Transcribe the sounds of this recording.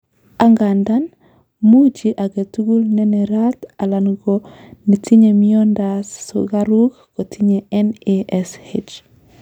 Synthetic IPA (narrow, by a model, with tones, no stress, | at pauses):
a˦ŋɡanda˦n | mu˦d͡ʒi˨ʔa˨ɡe˨tu˦ɡu˦lne˦ne˨ɾata˨la˨nɡo | ne˨tʰi˦ɲe˨miondasːo̰ɡaɾu˦kɡ̥o˨tʰi˦ɲe˨ɛ˦neʔɛshet͡ʃ